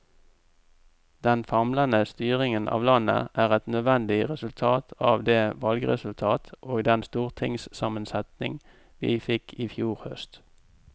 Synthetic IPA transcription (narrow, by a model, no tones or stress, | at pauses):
d̪̥ɛnfɑmlənəst̪yːʁɪŋənʔɑ̰ːʋlɑnə̰ʔæːʁɛt̪nœd̪ʋɛnd̪ɪʁɛsʉlt̪ʰɑːt̪ʰɑːʋd̪eːʋɑlɡəʁɛ̰sʉlt̪ʰɑːt̪ʔoːɡd̪ɛnst̪uːʁt̪ʰɪŋssɑmənsɛt̪nɪ̰ŋ | ʋḭːfɪkʰiːfjuːʁhœ̰st̪